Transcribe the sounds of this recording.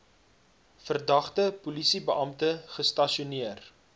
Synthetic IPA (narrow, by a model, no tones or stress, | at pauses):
fərdɐχtəpulisibəʔɐmtəχəstɐʃiuniər